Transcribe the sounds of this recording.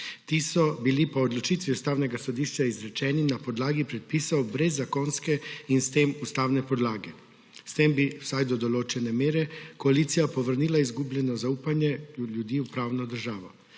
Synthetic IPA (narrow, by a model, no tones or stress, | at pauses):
t̪isɔbilipɔːd̪lɔt͡ʃit̪ʋiust̪aːwnɛɡasɔd̪iʃt͡ʃaizɾɛt͡ʃɛːninapɔd̪laːɡipɾɛt̪̚piːsɐwbɾɛzːakonskɛinst̪eːmust̪aːwnɛpɔd̪laːɡɛ | st̪embiwsajd̪ɔd̪ɔloːt͡ʃɛnɛmeːɾɛkɔaliːt̪sijapɔʋəɾniːlaizɡublɛnɔzauːpanjɛljud̪iːupɾaːwnɔd̪əɾʒaːʋɔ